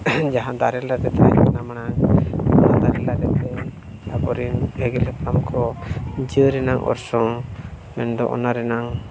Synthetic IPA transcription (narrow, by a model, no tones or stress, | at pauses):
d͡ʒaɦãd̪aɾɛlaɾɛt̪akɛnamana | ãd̪aɾɛlaɾɛt̪ɔ | abɔɾiŋɛɡɛlɛkamkʰɔd͡ʒəɾɛnaŋʔɔ̰ɾsɔŋ | mɛnd̪ɔ̰ʔɔ̰naɾɛnaŋ